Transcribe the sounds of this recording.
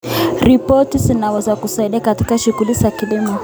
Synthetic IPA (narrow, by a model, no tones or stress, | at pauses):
ɾipɔtizinawɛzakusaiɗiakati̥kaʃuɣulizakilimɔ